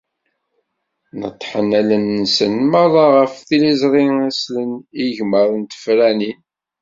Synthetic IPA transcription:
nə̰t̪ˤːħənælənːəsənmɑðˤɑʁəfθilizɾˤiæsləniʝməɾˤənt̪ə̥fɾænin

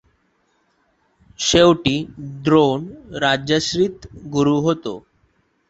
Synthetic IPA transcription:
ɕewʈiːɖɾonɾad͡ʑəɕɾit̪ɡuɾuɦot̪o̰

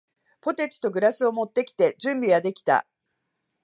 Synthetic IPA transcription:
po̞t̪et͡ɕi̥t̪o̞ɡɯ̟ɾasɨo̞mo̞t̪ːe̞kʲi̥t̪e̞d͡ʑɨ̃mbʲiɡad̪e̞kʲi̥t̪a̰

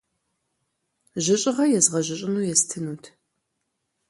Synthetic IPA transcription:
ʒɪɕʼɪʁɐjɛzʁɐʒɪɕʼɪnuːjɛstʰɨnutʰ

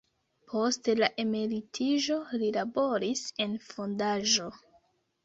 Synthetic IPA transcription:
pʰo̞stelaʔe̞meɾitʰiʒo̞lilabo̞ɾise̞nfo̞ndaʒo̞

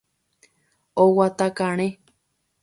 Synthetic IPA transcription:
owat̪akaɽ̃ẽ

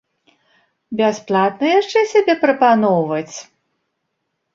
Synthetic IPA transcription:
bʲasplˠat̪̚nɐjaʂt͡ʂɛsʲabʲɛpɾɐpanɔwvɐt͡sʲ

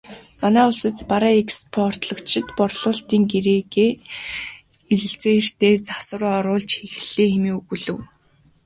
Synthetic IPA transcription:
manæːʊɮsə̆t̪paɾaːekspʰɔr̥t̪ɮɞ̆kt͡ɕt͡ɕʰɪ̆t̪pɔrɮʊːɬt̪iːŋɡeɾeːɡeː | eɮɘ̆ɬt͡seːer̥t̪eːt͡sḁsə̆rɔɾʊːɮt͡ɕxexɮeːxemiːuɣuɮɘ̆w

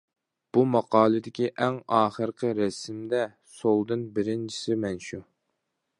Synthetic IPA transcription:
b̥umɑqʰɑːlˠɨd̪ɪkʲiʔɛŋɑːχəɾqʰəɾɛsɪmd̪ɛ | solˠd̪ɨnbɪɾɪnt͡ʃʰi̥sɪmɛnʃu

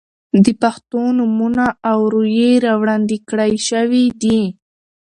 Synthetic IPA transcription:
d̪əpaxt̪onʊmunaːwɾujeɾawɽɑnd̪ikɽajʃəwid̪i

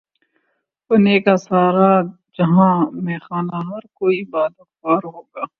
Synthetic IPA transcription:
oneːkasaːɾa | d͡ʒɐɦãːmɛːxaːnaɦɐɾkoːibaːd̪ɐxaːɾɦoːɡaː

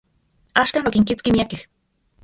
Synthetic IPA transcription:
aːʃkaːnokiŋkit͡skimiakeh

